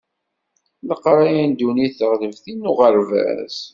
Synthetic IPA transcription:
nəqːɾˤajænd̪uniθəʁləvθinːʊʁəɾvæ̰s

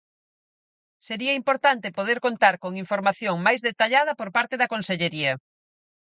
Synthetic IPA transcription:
seɾiɐimpoɾt̪ant̪epoðeɾkont̪aɾkoŋiɱfoɾmaθjoŋmajzðet̪aʎaðɐpoɾpaɾt̪eðɐkonseʎeɾiɐ

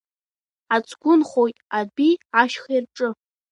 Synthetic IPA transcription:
at͡sʼɡʷʊnχojtʼabiaʃχairʈ͡ʂʼɨ

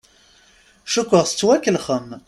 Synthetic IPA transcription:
ʃukʷːəʁst͡sːwækːəlχəm

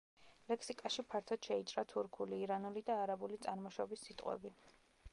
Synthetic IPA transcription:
lɛkʰsikʼaʃipʰaɾt̪ʰɔd̪̥ʃɛit͡ʃʼɾat̪ʰuɾkʰuliːɾanulid̪aːɾabulit̪sʼaɾmɔʃɔbisːit̪ʼqʼwɛ̰bi

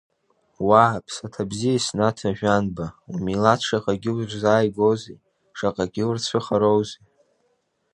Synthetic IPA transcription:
wapʰsatʰabzijasnatʰaʒᶣʷanbaumilatʰʂaqʼaɡʲɪwrzaːjɡowze | ʂaqʼaɡʲɪwrt͡sʷʰɨχaɾowze

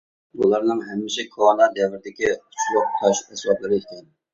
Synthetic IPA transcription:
bṵlˠɑɾnɨŋɦɛmːɪʃɛkʰonɑd̪ɛwɪɾɪd̪ɪkʲiqʰʊ̥t͡ʃʰlˠʊq̚t̪ʰɑʃɛswɑblˠɨɾɪɪkʲʰɛn

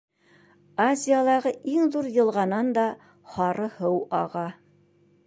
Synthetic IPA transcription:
azʲɪjalˠɑʁɤiŋðuɾjɤ̆lˠʁɑnɑnd̪ɑ | hɑɾʔɤhɤwɑ̰ʁɑ

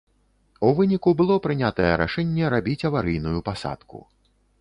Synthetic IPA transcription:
uvɨnʲikubɨlˠɔpɾɨnʲat̪ɐjɛɾa̰ʂɛnʲːɛɾabʲit͡sʲɐvaɾɨjnujupasa̰t̪kṵ

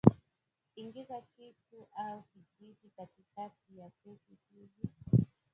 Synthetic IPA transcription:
iŋɡizakisuʔaukiʄivikatikatijakɛkikivi

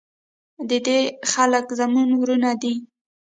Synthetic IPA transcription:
d̪əd̪exaləkzamunwɾunad̪i

